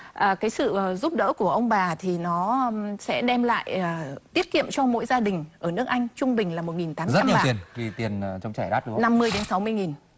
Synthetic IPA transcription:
ʔəː˨˩kaː˨˦jsɨ̰˧˨˩zu˦˥p̚ɗə̰ː˧˥ku˧˩əʔə˧wŋ͡mɓaː˨˩t̪ʰi˨˩nɔ˨˦˧sɛ̰˧˥ɗɛ˧mla̰ː˧˨jəː˨˩t̪i˦˥ət̚kḭ˧˨əmt͡ɕɔ˧mo̰˧˥jzaː˧ɗï˨˩ŋ̟ʔəː˧˩nɨ˦˥ək̚ʔa˧jŋ̟t͡ɕʊ˧ŋ͡mɓï˨˩ŋ̟laː˨˩mo˨˩t̚ŋi˨˩nt̪aː˨˦za˧ɲː˨˩˨i˨˩ənvi˨˩t̪i˨˩ən˨˩t͡ɕɔ˧wŋ͡mt͡ɕaː˧˩jɗaː˦˥t̚ɗna˧mːɨ˧jt̪a˨˦ŋsa˨˦wmɨ˧əjŋi˨˩n

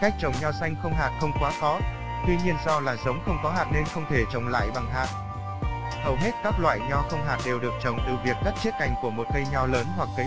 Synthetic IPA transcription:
ka˦˥jk̚t͡ɕə̰˨˧˩wŋ͡mɲɔ˧sa˧jŋ̟xə˧wŋ͡mɦaː˨˩t̚xə˧wŋ͡mkwaː˨˦xɔ˨˦ | t̪wi˧ɲi˧ənzɔ˧laː˨˩zə˨˦wŋ͡mxə˧wŋ͡mkɔ˨˦ɦaː˨˩t̚ne˧nxə˧wŋ͡mt̪ʰe˧˩t͡ɕə˨˩wŋ͡mla̰ː˧˨jɓa˨˩ŋɦaː˨˩t̚ | hə˨˧˩wɦe˦˥t̚kaː˦˥k̚lwa̰ː˧˨jɲɔ˧xə˧wŋ͡mɦaː˨˩t̚ɗe˨˩wɗɨ˨˩ək̚t͡ɕə̰˨˩wŋ͡mt̪ɨ˨˩vi˨˩ək̚ɗə˦˥t̚t͡ɕi˦˥ət̚ka˨˩jŋ̟ku˧˩əmo˨˩t̚kə˧jɲɔ˧ləː˨˦nhwa˨˩kːə˨˦

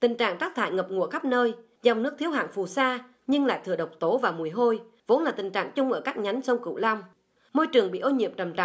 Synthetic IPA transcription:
t̪ï˨˩ŋ̟t͡ɕa̰ː˧˨ŋt͡ɕaː˦˥k̚t̪ʰa̰ː˧˨jŋə˨˩p̚ŋu˧˩əxa˦˥p̚nəː˧j | za˨˩wŋ͡mnɨ˦˥k̚t̪ʰi˦əwɦa̰ː˧˨nfu˨˩saː˧ | ɲɨ˧ŋla̰ː˧˨jt̪ɨ˨˧˩əɗə˨˩wk͡p̚t̪o˨˦vaː˨˩mu˨˩əjɦo˧j | vo˨˦nlaː˨˩t̪ï˨˩ŋ̟t͡ɕa̰ː˧˨ŋt͡ɕʊ˧ŋ͡mʔəː˧˩kaː˦˥k̚ɲa˨˦jŋsə˧wŋ͡mkɨ̰˧˨la˧wŋ͡m | mo˧jt͡ɕɨ˨˩əŋɓḭ˧˨ʔo˧nɲḭ˧˨əmt͡ɕə˨˩mt͡ɕa̰˧˨

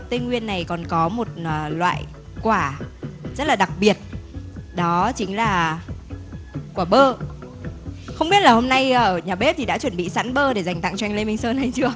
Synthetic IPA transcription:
t̪i˧ŋŋwi˧ənːa˨˩jkɔ˨˩nkɔ˨˦mo˨˩t̚ːlwa̰ː˧˨j | kwaː˧˩zə˦˥t̚laː˨˩ɗa˨˩k̚ɓi˨˩ət̚ɗɔ˨˦t͡ɕï˨˦ŋ̟laː˨˩ | kwaː˧˩ɓəː˧ | xə˧wŋ͡mɓi˦˥ət̚laː˨˩ho˧mna˧jəː˧˩ɲaː˨˩ɓe˦˥p̚t̪i˨˩ɗa̰˧˥t͡ɕwə˧˩nɓḭ˧˨sa̰ː˧˥nɓəː˧ɗe˧˩za˨˩jŋ̟t̪a̰˧˨ŋt͡ɕɔ˧jŋle˧mi˧ŋ̟səː˧na˨˩jt͡ɕɨ˧ə

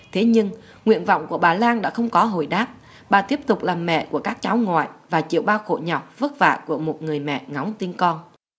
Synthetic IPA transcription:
t̪ʰe˨˦ɲɨ˧ŋ | ŋwḭ˧˨ənvɔ̰˧˨wŋ͡mku˧˩əɓaː˨˩laː˧nɗa̰ː˧˥xə˧wŋ͡mkɔ˨˦ɦo̰˧˨jɗaː˦˥p̚ | ɓaː˨˩t̪i˦˥əp̚t̪ʊ˨˩k͡p̚laː˨˩mːɛ̰˧˨ku˧˩əkaː˦˥k̚t͡ɕa˨˦wŋwa̰ː˧˨jvaː˨˩t͡ɕḭ˧˨əwɓaː˧wxo̰˧˨ɲɔ˨˩wk͡p̚və˦˥t̚va̰ː˧˨ku˧˩əmo˨˩t̚ŋɨ˨˩əjmɛ̰˧˨ŋa˨˦wŋ͡mt̪i˧nkɔ˧n

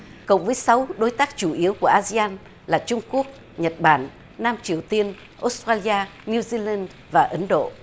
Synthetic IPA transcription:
kə̰˧˨wŋ͡mvəː˨˦jsa˨˦wɗo˨˦jt̪aː˦˥k̚t͡ɕu˧˩ʔi˨˦əwku˧˩əʔaː˧zi˧aː˧n | laː˨˩t͡ɕʊ˧ŋ͡mku˦˥ək̚ | ɲə˨˩t̚ɓaː˧˩n | naː˧mt͡ɕi˨˩əwt̪i˧ən | ʔo˨˦˥st̪ɾaː˧li˧aː˧ni˧zi˧la˧n | vaː˨˩ʔə˨˦nɗo̰˧˨ʔ

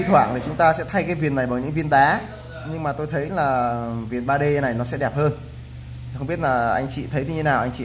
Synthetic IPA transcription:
i˧t̪ʰwaː˧˩˨ŋt̪ʰi˨˩t͡ɕʊ˨˦ŋ͡mt̪aː˧sɛ̰˧˥t̪ʰa˧jkaː˨˦jvi˨˩ənːa˨˩jɓaː˨˩wɲɨ̰˧˥ŋvi˧ənɗaː˨˦ | ɲɨ˧ŋmaː˨˩t̪o˧jt̪ʰə˨˦jlaː˨˩vi˨˩ənɓaː˧ɗe˧na˨˩jnɔ˨˦sɛ̰˧˥ɗɛ˨˩p̚həː˧n˨˩ | xwŋ͡mɓi˦˥t̚laː˨˩ʔa˧jŋ̟t͡ɕḭ˧˨t̪ʰə˨˦jt̪i˨˦t̪ʰe˦naː˨˩ʔa˧jŋ̟t͡ɕḭ˧˨

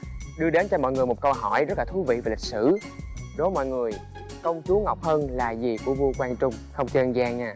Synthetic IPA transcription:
ɗɨ˧əɗe˨˦nt͡ɕɔ˧mɔ̰˧˨jŋɨ˨˩əjmo˨˩t̚kə˧wɦɔ˧˩jzə˦˥t̚laː˨˩t̪ʰu˨˦vḭ˧˨vaː˨˩lï˨˩k̚sɨ˧˩ɗo˨˦mɔ̰˧˨jŋɨ˨˩əj | kə˧wŋ͡mt͡ɕu˨˦ŋa˨˩wk͡p̚həː˧nlaː˨˩zi˨˩ku˧˩əvu˧kwaː˧nt͡ɕʊ˧ŋ͡mxə˧wŋ͡mt͡ɕə˧nzaː˧ŋʔaː˨˩

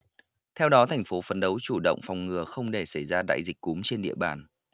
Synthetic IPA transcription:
t̪ʰɛ˧wɗɔ˨˦t̪ʰa˨˩jŋ̟fo˨˦fə˨˦nɗə˨˦wt͡ɕu˧˩ɗə̰˧˨wŋ͡mfa˨˩wŋ͡mŋɨ˨˩əxə˧wŋ͡mɗe˧˩sa˧˩jzaː˧ɗa̰ː˧˨jzi˨˩k̟̚ku˨˦mt͡ɕe˧nɗḭ˧˨əɓa̰ː˨˩n

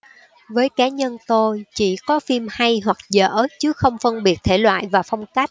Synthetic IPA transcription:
vəː˨˦jkaː˨˦ɲə˧nt̪o˧jt͡ɕi˧˩kɔ˨˦fi˧mha˧jɦwa˨˩k̚zə̰ː˧˩˦t͡ɕɨ˨˦xə˧wŋ͡mfə˧nɓi˨˩ət̚t̪ʰe˧˩lwa̰ː˧˨jvaː˨˩fɔ˧wŋ͡mka˦˥jk̟̚

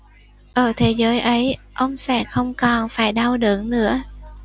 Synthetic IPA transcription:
ʔəː˨˩t̪ʰe˨˦zəː˨˦jʔə˨˦jʔə˧wŋ͡msɛ̰ː˧˥˩xə˧wŋ͡mkɔ˨˩nfaː˧˩jɗa˧wɗɨ̰˧˨əŋnɨ̰˧˥ə

